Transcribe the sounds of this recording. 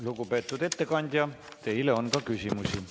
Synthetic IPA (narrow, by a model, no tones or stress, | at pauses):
luɡupe̞ːt̪ˑːud̪̥e̞t̪ːe̞kɑnʲd̪̥ʲjɑ | t̪e̞jleo̞nkɑkysimusi